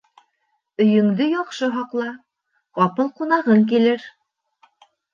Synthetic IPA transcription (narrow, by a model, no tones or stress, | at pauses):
ɵ̆jɵ̆ŋd̪ɵjɒqʃɤɦɑqlˠɑ | qɑpɤlˠqunɑʁɤŋk̬ilɘɾ